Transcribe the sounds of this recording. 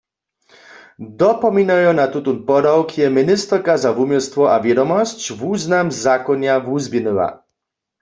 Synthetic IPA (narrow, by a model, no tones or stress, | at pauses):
d̪ɔpɔminajɔ̃nat̪ut̪unpɔd̪awkʰjɛminist̪rkazavumʲjɔrst̪wɔʔavʲjɛd̪ɔmɔst͡ɕvuznamzakɔɲavuzbjɛnɛwa̰